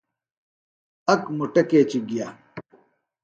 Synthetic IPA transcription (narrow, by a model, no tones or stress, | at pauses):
ɐkmuʈɐkeːt͡ɕiɡijaː